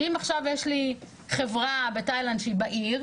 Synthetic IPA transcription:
imaχʃavjeʃli | χevʁabetajlandʃeibaʔiʁ

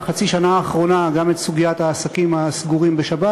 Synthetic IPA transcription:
χat͡siʃanaːχʁo̞naɡame̞t̪suɡijat̪haːsakimasɡuʁimbeʃaba

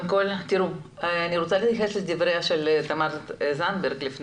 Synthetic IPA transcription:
kolt̪iɾu | aniɾot͡salet̪xesled̪ivɾeaʃelt̪amaɾzanbeɾɡlifn

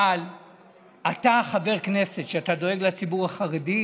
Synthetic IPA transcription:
l | ataχave̞ʁkne̞se̞tʃeatadoe̞ɡlat͡sibuʁhaχaʁedi

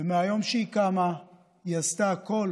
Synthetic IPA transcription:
emeajo̞mʃeikama | jast̪ako̞l

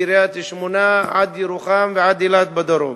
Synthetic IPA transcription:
iɾeat̪iʃmonaʕad̪jeɾuχamveʕad̪jilat̪̚bad̪oɾo̰

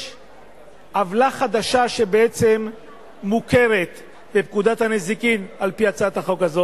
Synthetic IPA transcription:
ʔavlaχad̪aʃaʃe̞beet͡se̞mː | uke̞ʁe̞t̪ | be̞p̚kud̪at̪hanezikimalpiat͡saat̪aχo̞kazo

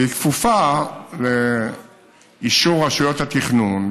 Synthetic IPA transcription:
ikfufale | iʃuʁaʃujot̪hat̪iχnun

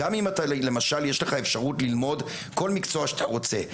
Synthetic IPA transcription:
amimatale̞maʃaljeʃleχaefʃaʁutlilmo̞d | ko̞lmikt͡so̞aʃat̪aʁo̞t͡se̞

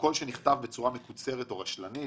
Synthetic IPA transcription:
ko̞lʃeniχt̪avbe̞t͡suʁame̞kut͡se̞ʁeto̞ʁaʃlani

